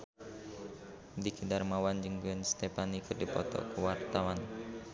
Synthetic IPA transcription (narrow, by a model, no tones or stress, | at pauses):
dikidarmawand͡ʒəŋbuənst̪epanikərdipɔ̰t̪ɔ̰kuwart̪awan